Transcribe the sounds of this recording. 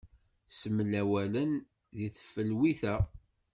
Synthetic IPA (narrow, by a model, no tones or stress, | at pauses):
səmlæwælən | ðiθə̥fːəlwiθæ